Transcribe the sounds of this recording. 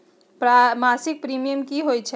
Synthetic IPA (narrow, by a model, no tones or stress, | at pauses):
pɾmasik̚pɾimijəmkiɦojt͡ʃʰɛ